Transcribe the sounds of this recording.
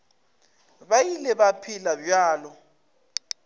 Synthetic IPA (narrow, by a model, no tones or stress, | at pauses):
βajilɛβapʰilabjaːlɔ